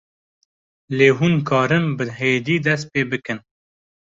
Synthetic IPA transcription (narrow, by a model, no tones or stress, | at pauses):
leːɦunkʰɑːɾɨmbɨɦeːd̪iːd̪ɛst̪̚peːbɨkɨn